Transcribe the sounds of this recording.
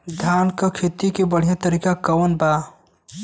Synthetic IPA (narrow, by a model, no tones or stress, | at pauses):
d̪ʱjaːnkakʰet̪ikebəɽ̤ijãt̪ɐɾikakɐwənbaː